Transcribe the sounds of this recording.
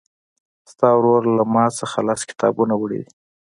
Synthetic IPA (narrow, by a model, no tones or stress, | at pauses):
st̪ɑwɾoɾlamɑsəxalɑskɪ̥t̪ɑ̰bunawəɽḛd̪i